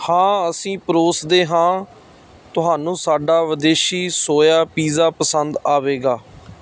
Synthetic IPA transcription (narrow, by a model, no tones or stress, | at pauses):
hãːəsĩːpɾoːsd̪eːɦãː | t̪ʊɦaːnũːsaːɖaːʋəd̪eːʃiːsoːjaːpiːzaːpəsənd̪aːʋeːɡaː